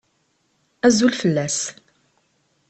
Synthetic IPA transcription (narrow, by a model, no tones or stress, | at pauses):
æzulfəlːæs